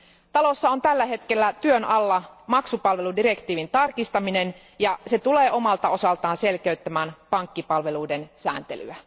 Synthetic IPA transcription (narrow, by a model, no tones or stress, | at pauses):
t̪ɑlo̞sːɑo̞nt̪ælːæɦe̞t̪kelːæt̪yønʔɑlːɑmɑksupɑlʋe̞ludire̞kt̪iːʋint̪ɑrkist̪ɑminen | jɑse̞t̪uleːʔo̞mɑlt̪ɑo̞sɑlt̪ɑːnse̞lkeyt̪ːæmæːnpɑŋkːipɑlʋe̞luidensæ̰ːnt̪ḛly̰æ